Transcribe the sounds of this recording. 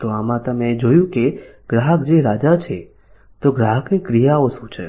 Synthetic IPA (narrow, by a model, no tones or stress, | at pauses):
t̪oamãt̪əmed͡ʒojũkeɡ̥ɾaɦək̚d͡ʒeɾad͡ʒat͡ʃʰe | t̪oɡɾaɦəknekɾijaoʃũt͡ʃʰe